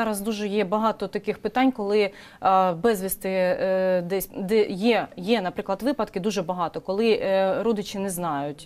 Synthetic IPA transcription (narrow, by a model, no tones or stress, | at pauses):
ɑɾɐzd̪uʒɛjɛbɐɦɑt̪ɔt̪ɐkɪxpɪt̪ɑnʲkɔlˠɪ | bɛzʲʋʲist̪ɪ | d̪ɛsʲd̪ɛjɛjɛnɐpɾɪklˠɐd̪ʋɪpɐd̪kɪd̪uʒɛbɐɦɑt̪ɔkɔlˠɪɾɔd̪ɪt͡ʃɪnɛznɑjʊtʲ